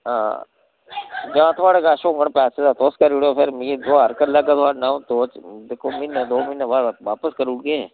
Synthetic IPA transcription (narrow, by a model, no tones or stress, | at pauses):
ɦã̰ː | d͡ʒãːt̪ʰʊʋaːɽekaːʃoːŋɡəɳpɛːsed̪at̪oːskəɾuɽopʰɪɾmid̪oːəɾkəɾlaːkat̪ʰaːɽnãt̪oːt͡ʃd̪ekʰːoːmɪnəd̪oːmɪnʋaːʋaːpəskəɾʊʈ̚ɡe